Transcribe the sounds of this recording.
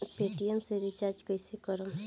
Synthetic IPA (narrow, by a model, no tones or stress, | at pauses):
peʈiemseɾit͡ʃaɾd͡ʒkəjsikɔɾɔm